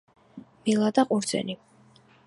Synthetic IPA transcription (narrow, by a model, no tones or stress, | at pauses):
milˠad̪aqʼuɾd̪zɛ̰ni